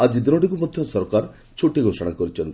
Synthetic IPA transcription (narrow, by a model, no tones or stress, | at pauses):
ad͡ʒid̪inɔʈikumɔd̪ʱjɔsɔɾkaɾ | t͡ʃʰuʈiɡʱosɔɽ̃akɔɾit͡ʃʰɔnt̪i